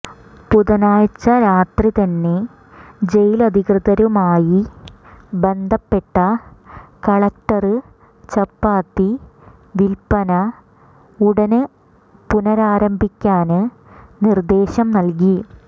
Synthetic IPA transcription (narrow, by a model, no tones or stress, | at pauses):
puðɐnaːjt͡ɕːɐɾaːt̪rit̪ɐnːe̞ | d͡ʑe̞jilɐd̪ʱiɣrɨðɐɾumaːji | be̞nd̪ʱɐpːe̞ʈːɐ | kɐɭɐk̚ʈːɐrɨ | t͡ɕɐpːaːt̪ːi | ʋilpɐnɐ | uɽɐnɨ | punɐɾaːɾɐmbʱikʲːaːnɨ | nird̪e̞ːɕɐmnɐlk̬i